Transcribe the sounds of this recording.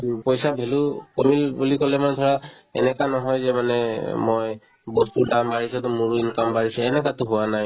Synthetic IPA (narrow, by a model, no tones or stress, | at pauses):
pɔjsabʱelukomilbulikɔlɛmantʰɔɹa | ɛ̰nɛkanɔɦɔjzɛmanɛmɔj | bɔtpuɹdambaɹisɛtɔmuɹuinkambaɹisɛɛnɛkatʊɦʊwanaj